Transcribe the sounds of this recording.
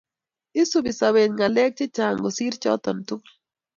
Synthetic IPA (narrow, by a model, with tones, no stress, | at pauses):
ɪ˦su˦bi˨sa˨we˨ɲŋa˨lɛ˦k̚t͡ʃɪ˦t͡ʃa˨ŋɡɔ˨si˦ɾt͡ʃɔ̰˦t̪ɔ˨nt̪u˦k